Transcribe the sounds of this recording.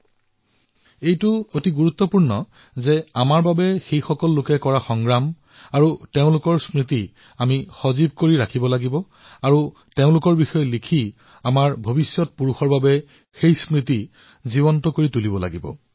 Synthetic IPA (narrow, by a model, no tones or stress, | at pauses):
ejtʊotiɡuɹut̪ːɔpuɹnɔ | zɛamaɹbabɛxejxɔkɔlːʊkɛkɔɹaxɔŋɡɹam | aɹuteʊ̃lʊkɔɹsɹiti | amixɔzib̚koɹiɹakʰibɔlaɡibɔ | aɹu | teʊ̃lʊkɔɹbixɔjɔlikʰi | amaɹbʱobisjɔt̚puɹuxɔɹbabɛ | xejsɹit̬i | zibɔntɔkoɹitulibɔla̰ɡibɔ̰